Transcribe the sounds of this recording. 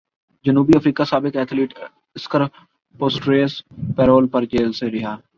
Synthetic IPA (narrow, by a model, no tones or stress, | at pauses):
d͡ʒənuːbiəfɾiːkaːsaːbɪkɛːt̪ʰleːʈ | ɪskəɾ | poːsʈɾeːspɛːɾoːlpəɾt͡ʃeːlseɾɪɦaː